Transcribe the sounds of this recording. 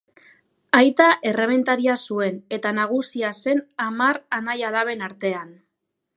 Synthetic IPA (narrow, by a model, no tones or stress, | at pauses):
ajt̪aʔe̞re̞me̞nt̪aɾiasue̞ne̞t̪anaɣ̞usiase̞namaɾanajalaβe̞naɾt̪e̞an